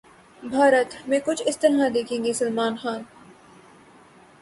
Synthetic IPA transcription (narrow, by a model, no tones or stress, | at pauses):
bʱaːɾət̪mẽːkʊt͡ʃʰɪst̪ɐɾɦad̪eːkʰẽːŋɡesɐlmaːnxaːn